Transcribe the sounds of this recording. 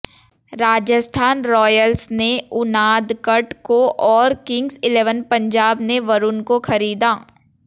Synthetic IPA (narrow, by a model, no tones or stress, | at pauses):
ɾaːd͡ʒəst̪ʰaːnɾɔːjəlsneʊnaːd̪kɐʈkoʔɔːɾkɪ̃ŋɡzɪleːʋənpɐ̃ɲd͡ʒaːbneʋɐɾʊnkoxɐɾiːd̪aː